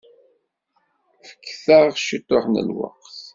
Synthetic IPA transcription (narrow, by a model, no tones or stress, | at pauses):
fə̥kːθəʁʃit̪ːoħnə̰lwɑ̰qθ